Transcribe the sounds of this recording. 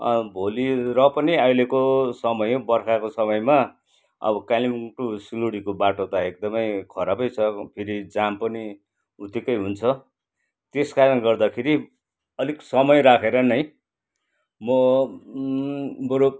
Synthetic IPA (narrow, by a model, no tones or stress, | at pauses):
ʌ̰bʱoliɾʌpʌniajlekosʌmʌjbʌrkʰakosʌmʌjma | ʌ̰bʌkalimʈusiloɽikobaʈot̪aek̚d̪ʌmʌjkʰʌɾabʌjt͡sʰʌpʰiɾid͡zampʌni | ut̪ikʌjɦunt͡sʰʌ | t̪eskaɾʌnɡʌrd̪akʰeɾi | ʌliksʌmʌjɾakʰeɾʌnʌj | mʌ | boɾo